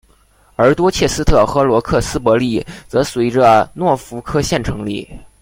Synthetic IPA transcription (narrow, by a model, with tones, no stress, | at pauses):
ə˞˧˥t̪wɔ˥t͡ɕʰjɛ˥˩sɹ̩˥t̪ʰɤ˥˩xɤ˧˥lwɔ˧˥kʰɤ˥˩sɹ̩˥pwɔ˧˥li˥˩t͡sɤ˧˥swe˧˥ɪʈ͡ʂə˧nwɔ˥˩fu˧˥kʰɤ˥ɕjɛ˥˩nʈ͡ʂʰɤ˧˥ŋlḭ˥˩